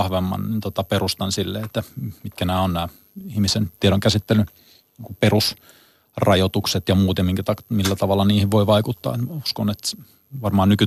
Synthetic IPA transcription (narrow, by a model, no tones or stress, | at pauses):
hʋemːɑ̰nnint̪ot̪ɑperust̪ɑnsilːeet̪ːæmit̪̚kænæːonnæː | ihmisent̪ieɾoŋkæsit̪ːelːˑy | niːŋkuperus | rɑjot̪ukset̪jɑmuːt̪jɑmiŋkæt̪ɑmilːæt̪ɑʋɑlːɑniːhiʋʋoiʋɑikut̪ːɑ̰ːet̪muskonet̪ | ʋɑrmɑːnnyky